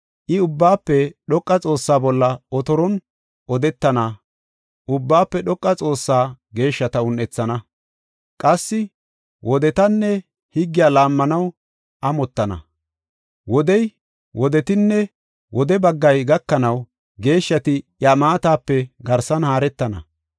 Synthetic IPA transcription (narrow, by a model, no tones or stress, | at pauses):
ʔɪʊbːaːpːɛɗɔkʼːɐt͡sʼo̞ːsːaːbɔlːɐɔt̪ɔɾɔn | ʔɔd̪ɛt̪ːɐnɐ | ʔʊbːaːpːɛɗɔkʼːɐt͡sʼo̞ːsːaː | ɡe̞ːʃːɐt̪ɐʊnʔɛt͡sːɐnɐ | kʼɐsːɪ | wʔɔd̪ɛt̪ɐnːɛ | hɪɡːɪjaːlaːmːɐnɐw | ʔɐmɔt̪ːɐnɐ̰ | wɔd̪ɛj | wɔd̪ɛt̪ɪnːɛ | wɔd̪ɛbɐɡːɐjɡɐkːɐnɐw | ɡe̞ːʃːɐt̪ɪjamaːt̪aːpːɛɡɐɾsɐnhaːɾɛt̪ːɐnɐ̰